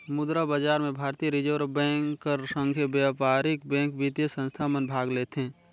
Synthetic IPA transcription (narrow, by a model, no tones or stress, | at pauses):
mʊd̪ɾabad͡ʒaːɾmẽbʱaːɾt̪iːəɾɪd͡ʒəɾbɛ̃ːŋkːəɾsə̃ŋɡʱjəbjapaːɾɪkbɛ̃ːŋkbit̪jəsə̃nst̪ʰamənbʱaːɡleːt̪ɦɛ̃